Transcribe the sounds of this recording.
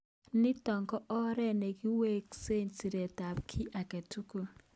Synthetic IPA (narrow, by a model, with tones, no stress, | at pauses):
nɪ˦tɔ˨ŋɡɔ˦ʔɔ˦ɾɛ˦ne˨ɡi˦we˦kse˦ɲsi˨ɾe˨ta˨p̚kʰi˦ʔa˨ke˨tu˦ku˨